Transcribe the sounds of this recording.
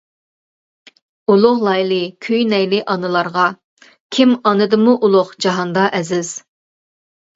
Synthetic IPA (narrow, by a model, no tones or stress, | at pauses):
ulˠʊχlˠɑjlˠɨkʲʰøjnɛjlɪʔɑnɨlˠɑɾʁɑ | kʲʰimɑnɨd̪ɨmuʔulˠʊχd͡ʒɑɦɑnd̪ɑʔɛzɪz̥